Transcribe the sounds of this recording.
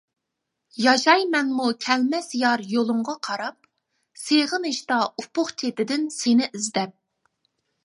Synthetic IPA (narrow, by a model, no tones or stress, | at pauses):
jɑʃɑjmɛnmukʲʰɛlmɛsjɑɾjolˠʊɴʁɑqʰɑɾɑp̚ | seʁəneʃt̪ɑupʊχt͡ʃʰet̪ɪd̪ɪnsenɪʔɪzd̪ɛp̚